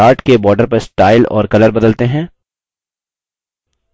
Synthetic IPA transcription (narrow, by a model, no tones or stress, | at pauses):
aːɾʈkebɔːɾɖəɾpɐɾsʈaːɪlɔ̰ːɾkɐləɾbɐd̪əlt̪eɦɛ̃ː